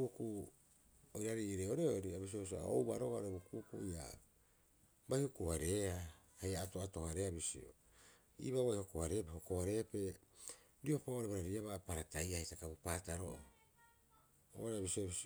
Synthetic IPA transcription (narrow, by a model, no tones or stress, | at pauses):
uku | ojɾaɾiɾeoɾeoɾiabis̬iois̬ia̰o̰wbaɾoβaɾobukukuia̰ | bajhokuaɾe̞ahajaːtoato̞haɾeabisḭo̰ | ḭːβaβajho̞kohaɾe̞pehokoβaɾe̞pe̞ | ɾioapaɾeβaɾaɾiaβapaɾatajahitakabopaːtaɾoʔo | o̰ɾeabisiobisi